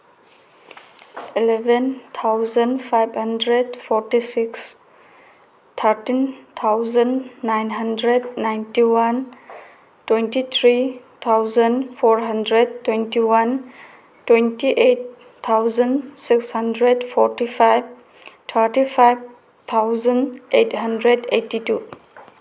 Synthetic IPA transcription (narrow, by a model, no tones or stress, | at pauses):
ilebɛnt̪ʰawzənpʰajbhəndɾedpʰɔɾtisiks | t̪ʰəɾtint̪ʰawzənːajnɦəndɾednajntiwan | twentit̪ʰɾit̪ʰːawzənpʰɔɾɦandɾedtːwentiwan | twentiʔet̪ʰː | awzənsikshəndɾedpʰɔɾtipʰajb̚ | t̪ʰəɾtipʰajb̚ | t̪ʰawzənejthəndɾedejtitu